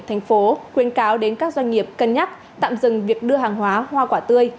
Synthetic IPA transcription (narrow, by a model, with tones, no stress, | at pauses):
t̪ʰjŋ̟fo˨˦kwi˨˦ənkaː˨˦wɗe˨˦nkaː˦˥k̚zwa˧jŋ̟ŋi˨˩əp̚kə˧nɲa˦˥k̚ | t̪a̰ː˧˨mzɨ˨˩ŋvi˨˩ək̚ɗɨ˧əɦaː˨˩ŋɦwaː˨˦hwaː˧kwaː˧˩t̪ɨ˧əj